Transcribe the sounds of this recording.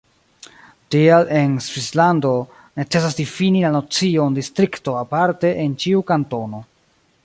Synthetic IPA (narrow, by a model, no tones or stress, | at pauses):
tiale̞nsvislando̞ | ne̞t͡se̞sas̬difinilano̞t͡sio̞ndistɾikto̞apaɾte̞ʔent͡ʃiukanto̞no̞